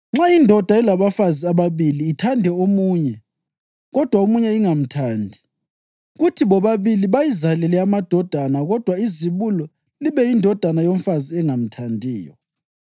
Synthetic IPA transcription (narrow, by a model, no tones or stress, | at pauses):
ŋ͡ǁaindʱɔd̥ʱaɛlaβafaziaβaβiliːtʰandʱɛomuːɲɛ | ɣɔd̥ʱwaomuɲɛiŋam̩tʰaːndʱi | ɣutʰiβɔβaβiliβajizalɛlɛamad̥ʱɔd̥ʱanaɣɔd̥ʱwaiziβulɔ | liβɛjindʱɔd̥ʱanajoɱ̩faziɛŋam̩tʰandʱiːjɔ̰